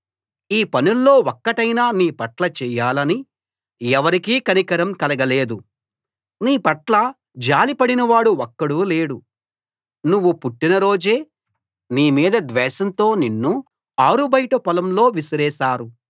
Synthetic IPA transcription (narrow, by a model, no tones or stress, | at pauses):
iːpɐnulːo̞ːɔkːɐʈɐjnaːniːpɐʈlɐt͡ʃɛːjaːlɐni | ɛʋɐɾikiːkɐnikɐɾɐmkɐlɐɡɐleːd̪u | niːpɐʈlɐ | d͡ʒaːlipɐɽinɐʋaːɽuɔkːɐɽuleːɽu | nuʋːupuʈːinɐɾo̞ːd͡ʒeː | niːmiːd̪ɐd̪ʋɛːʃɐnt̪o̞ːninːu | aːɾubɐjʈɐpɐlɐmlo̞ːʋisɐɾɛːʃaːɾu